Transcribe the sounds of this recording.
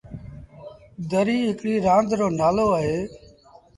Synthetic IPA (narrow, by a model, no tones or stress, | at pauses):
d̪əɾiːɦɪkɽiːɾãːnd̪ɾoːnaːloːaːɦeː